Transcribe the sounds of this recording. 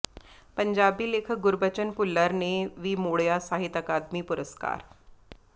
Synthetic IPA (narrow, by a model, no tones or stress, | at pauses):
pəɲd͡ʑabiːlekʰɡuɾbət͡ɕənpulːəɾneʋimoɭjasaɦit̪əkad̪miːpuɾəska̰ːɾ